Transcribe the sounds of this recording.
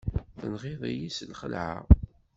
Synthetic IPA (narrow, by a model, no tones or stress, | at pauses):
θənʁɪðˤijisəlχəlʕa̰